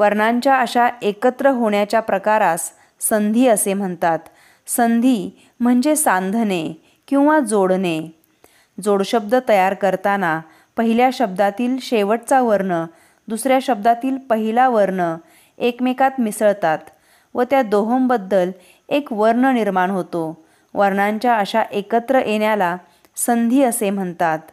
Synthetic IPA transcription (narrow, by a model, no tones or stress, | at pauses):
ʋəɾɳaɲt͡ɕjaəɕaekət̪ɾəɦoɳjat͡ɕjapɾəkaɾasː | ənd̪ʱiːəsem̤əɳt̪at̪ | sənd̪ʱiː | m̤əɳd͡zesand̪ʱəne | kĩw̃ʋad͡zoɽne | d͡zoɽɕəb̚d̪ət̪əjaɾkəɾt̪ana | pəɦiljaɕəb̚d̪at̪iːlɕeʋəʈ̚t͡saʋəɾɳə | d̪usɾjaɕəb̚d̪at̪iːlpəɦilaʋəɾɳə | ekmekat̪misəɭt̪at̪ | ʋət̪jad̪oɦəmbəd̪ːəl | ekʋəɾɳəniɾmaɳɦot̪o | ʋəɾɳaɲt͡ɕjaəɕaʔekət̪ɾəʔeɳjala | sənd̪ʱiːəsem̤əɳt̪at̪